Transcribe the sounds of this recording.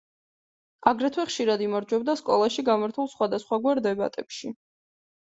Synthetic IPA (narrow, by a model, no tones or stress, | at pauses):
aɡɾɛt̪ʰwɛχʃiɾad̪imaɾd͡ʒwɛb̚d̪askʼɔlˠaʃiɡamaɾt̪ʰulˠsχwad̪asχwaɡwaɾd̪ɛba̰t̪ʼɛpʃi